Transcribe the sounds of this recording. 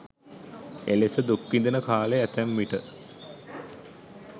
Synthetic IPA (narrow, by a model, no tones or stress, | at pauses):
elesəd̪ukːind̪enəkaːleæt̪æmːiʈə